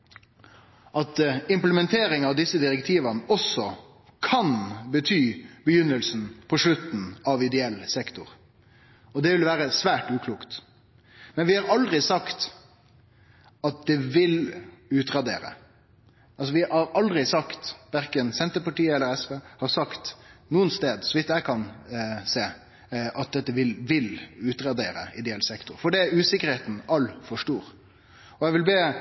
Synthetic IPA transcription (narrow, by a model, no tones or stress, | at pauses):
ʔɑt̪ɪmpləmɛnt̪ʰeːɾɪŋɑʋd̪ɪsːəd̪ɪɾɛkt̪ʰiːʋənəɔsːɔ | kʰɑnbət̪ʰyːbəjʏnːəlsn̩pʰɔʂlʉt̪n̩ɑʋɪd̪ɛɛlsɛkt̪ʊɾ | ɔd̪ɛʋɪlʋæːɾəsʋæːʈʉːkʰluːkt̪ | mɛnʋɪhɑɾɑld̪ɾɪsɑkt̪ | ɑt̪̚d̪ɛʋɪlʉːt̪ɾɑd̪eːɾə̰ | ʔɑlsɔʋɪɑɾɑld̪ɾɪsɑkt̪ʋæɾkənsɛnt̪əpɑʈiːəɛlːəɾɛsʋeːhɑɾsɑkt̪nuːənst̪eːd̪sɔʋɪt̪ːjæɪkʰɑnseː | ʔɑt̪̚d̪ɛt̪ːəʋɪlʋɪlʉːt̪ɾɑd̪eːɾə̰ɪd̪ɛɛlsɛkt̪ʊɾfɔɖɛʉːsɪkːəɾheːt̪n̩ɑlːfɔʂʈuːɾ | ɔɛɪʋɪlbeː